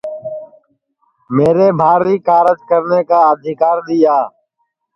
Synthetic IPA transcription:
meːɾeːbʱaːɾiːkaːɾəd͡ʒkəɾneːkaːəd̪ʱɪkaːɾd̪ɪjaː

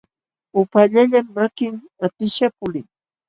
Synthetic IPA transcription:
ʊpaʎaʎammakɪŋ | at̪ɪʃapʊlɪŋ

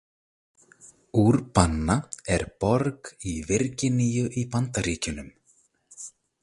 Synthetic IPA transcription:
uɾpanːaɛɾpɔɾkivɪrcɪniːjʏʔipant̪aɾiːcʏnʏm

